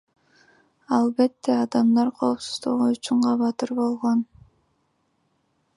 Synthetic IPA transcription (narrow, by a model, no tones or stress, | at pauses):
ɑlˠbe̞t̪ːeɑd̪ɑmd̪ɑɾqʰo̞ːpsuz̥d̪uʁuːt͡ʃyɴqɑβɑt̪ɯɾbo̞lˠʁon